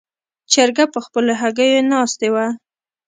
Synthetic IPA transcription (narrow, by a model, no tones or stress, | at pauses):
t͡ʃaɾɡapəxpəloɦaɡəjonɑst̪ewa